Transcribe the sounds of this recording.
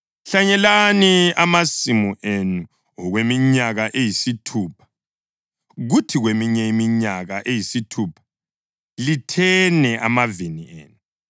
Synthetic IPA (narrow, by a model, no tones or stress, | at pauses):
ɬaɲɛlaniamasimuʔenu | ɔɣwemiɲaɣaʔejisitʰuːpʰḁ | ɣutʰiɣwemiɲɛimiɲaɣaʔejisitʰupʰḁ | litʰɛnɛʔamaviniḛːnu